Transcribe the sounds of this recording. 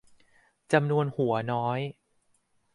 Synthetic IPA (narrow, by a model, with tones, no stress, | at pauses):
t͡ɕa˧mnu˧ənhu˨˩˦ɐnɔː˦˥j